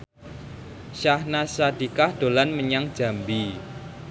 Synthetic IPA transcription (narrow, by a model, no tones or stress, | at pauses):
ʃahnasad̥ikahd̥olanməɲaŋ̥d͡ʒ̥a̤mbi